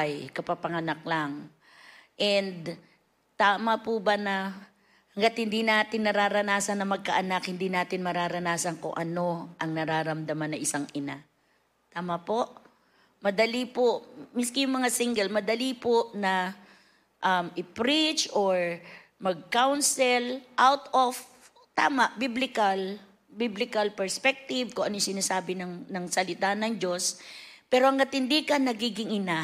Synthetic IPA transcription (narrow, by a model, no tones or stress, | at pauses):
jkɐpapɐŋɐnɐk̚laŋ | ʔɛnd̪ | t̪aːmɐpubɐnɐ | hɐŋɡat̪̚hɪnd̪inaːt̪ɪnːɐɾaːɾɐnaːsɐnːɐmɐɡ̚kɐʔɐnak̚hɪnd̪inaːt̪ɪnmɐɾaːɾɐnaːsɐnko̰ŋʔɐno̞ʔɐŋnɐɾaːɾɐmd̪ɐmanːɐʔɪsaŋʔɪna | t̪aːmɐpo̞ʔ | mɐd̪ɐlipomɪskɪjʊŋmɐŋasiŋɡɛlmɐd̪ɐlipoʔnɐ | ʔɐmʔɪpɾit͡ʃʔoɹmɐɡ̚kawnsɛlʔawt̪of | t̪a̰ːmɐʔbiblɪkɐl | biblɪkɐlpɛɹspɛk̚t̪ɪvkoʔɐnojsɪnaːsaːbɪnɐŋnɐŋsɐlɪt̪anɐŋd͡ʒo̞spɛːɾoʔɐŋkɐt̪ɪnd̪ikɐnːɐɡiːɡɪŋɪna